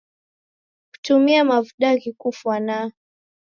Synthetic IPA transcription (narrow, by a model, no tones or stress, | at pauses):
ku̥tumiamavuɗaɣikufwana